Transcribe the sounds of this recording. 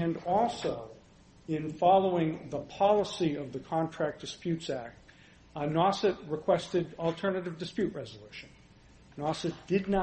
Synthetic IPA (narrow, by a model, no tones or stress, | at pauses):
ɨ̃nɔlˠsoʊ | ɪ̃nfɑlˠoʊɪ̃ŋðəpʰɑlˠəsiʌvðɨkʰɑ̃ntʰɹ̥æk̚d̥ɨspjʉtsæk̚t̚ | nɑsɨt̚ɹɨkʰw̥ɛstɨɾl̩ˠtʰɜ˞nɨɾɨvdɨspjʉʔ̚ɹɛzəlʉʃɨ̃nː | ɑsɨt̚d̥ɨdⁿnə